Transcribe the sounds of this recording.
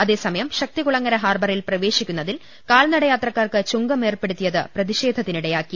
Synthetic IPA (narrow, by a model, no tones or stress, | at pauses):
ɐðe̞ːsɐmɐjɐmɕɐk̚t̪ikuɭɐŋːɐɾɐɦaːrbɐrilprɐʋe̞ːɕikʲːunːɐðil | kaːlnɐɽɐjaːt̪rɐkːaːrkɨt͡ɕuŋɡɐme̞ːrpe̞ɽut̪ːijɐðɨprɐðiɕe̞ːd̪ʱɐt̪ːiniɽejaːkːi